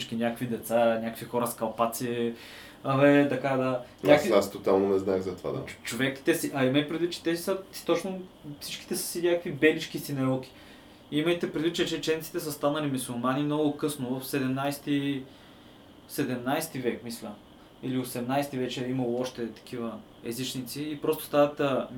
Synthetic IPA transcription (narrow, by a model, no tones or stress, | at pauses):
t͡ʃkinʲakəkvid̪ɛt̪sanʲakəkvixɔɾəskɐlˠpat̪siɛ | ɐvɛt̪ɐkad̪anʲakviast̪ot̪alˠnonɛznaɛxzɐt̪va̰d̪a̰t͡ʃovɛkt̪ɛsiʔɐimɐjpɾɛd̪vit̪ːt͡ʃɛ̥t̪ɛsət̪ot͡ʃno | fsit͡ʃki̥t̪ɛssinʲakəkvibɛlit͡ʃkisinɛɾɔlk̟i̥ | iməjt̪ɛpɾɛd̪vit̪t͡ʃɛt͡ʃɛt͡ʃɛnit̪si̥t̪ɛs̬əst̪anɐlimisulˠmanimnoɡʊkɤsnʊvəfsɛd̪ɛmnajst̪i | sɛd̪ɛmnajst̪ivɛkmislʲə | iliosɛmnajst̪ivɛt͡ʃɛimɐlˠoɔʃt̪ɛt̪ɐ̥kʰivə | ɛzit͡ʃnit̪siːpɾɔst̪ʊ̥st̪anɐt̪əm